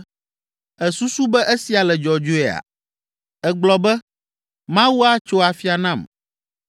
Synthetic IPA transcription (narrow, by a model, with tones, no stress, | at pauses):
ɛ˨su˦su˦bɛ˦ʔe˦si˨a˨lɛ˨d͡ʒɔ˨d͡ʒo˦ɛ˨a̰˨ | ɛ˨ɡ͡blɔ˨bɛ˦ | mã˦wu˦a˦t͡ʃo˦a˨fi˦a˨nã˦˨m